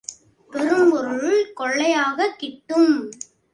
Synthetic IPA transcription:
pɛɾɯmbɔɾʊɭkɔɭːɐjaːɣɐkːɪʈːɯm

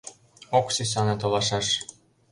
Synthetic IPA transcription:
oksis̬ɑnɤt̪olɑʃɑʃ

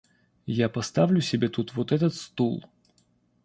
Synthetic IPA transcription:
japɐst̪avlʲʉsʲɪbʲet̪ut̪vot̪ɛt̪ət̪st̪ulˠ

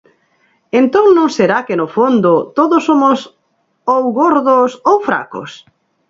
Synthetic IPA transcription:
ent̪oŋnõŋseɾakenʊfond̪ʊt̪oðosːomos | owɣoɾðosowfɾa̰ko̰s

